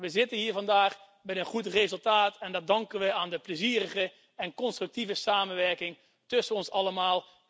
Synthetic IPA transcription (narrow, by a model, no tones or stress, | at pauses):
ʋəzɪtənɦiːɹvɑndaːχ | bɛjənχutrezɵlˠtaːtɛndɑt̚dɑŋkənʋəaːndəpləziːrəχə | ɛnkɔnstrɵk̚tivəsaːmənʋɛɹkɪŋ | tɵsənɔnsɑləmaːlˠ